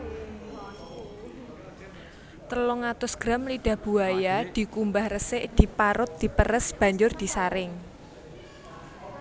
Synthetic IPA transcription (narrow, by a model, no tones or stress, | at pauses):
t̪əlʊŋat̪ʊsɡ̥ɾamliɖ̥a̤b̥ṳajad̪̥i̤kumbahrəsɪʔd̪̥i̤paɾʊt̪̚d̪̥i̤pəɾəsb̥ä̤ɲd͡ʒʊrd̪̥i̤saɾɪŋ